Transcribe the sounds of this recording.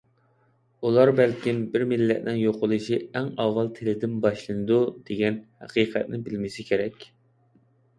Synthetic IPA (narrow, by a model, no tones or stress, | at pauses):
ulˠɑɾbælkʲimbɪɾmɪlːɛt̪nɪŋjoqʰʊlˠɨʃiæŋɑwːɑlˠt̪ʰelɪd̪ɪnbɑʃlˠɨnɨd̪ud̪̥eɡʲɛnhæ̰qiːqʰɛt̪̚nɪbɪlmɪsɪkʲʰeɾɛkʲ